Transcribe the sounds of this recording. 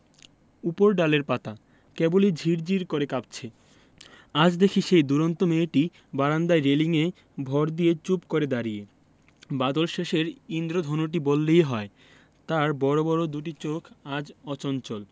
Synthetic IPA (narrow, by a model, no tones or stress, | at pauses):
upoɾɖaleɾpat̪a | kɛbolid͡ʑʱiɾd͡ʑiɾkoɾekap̚t͡ɕʰe | ad͡ʑd̪ekʰiʃejd̪uɾont̪omeːʈi | baɾand̪aeɾeliŋe | bʱɔɾd̪ijet͡ɕupkoɾed̪aɾije | bad̪olʃeʃeɾind̪ɾod̪ʱɔnoʈ̬ibolːejɦɔe | t̪aɾbɔɾobɔɾod̪uʈ̬it͡ɕokʰad͡ʑɔt͡ɕɔnt͡ɕol